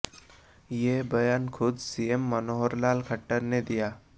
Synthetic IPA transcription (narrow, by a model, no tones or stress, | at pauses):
jebɐjaːnkʰʊd̪siemːənoɦəɾlaːlkʰəʈːəɾned̪ijaː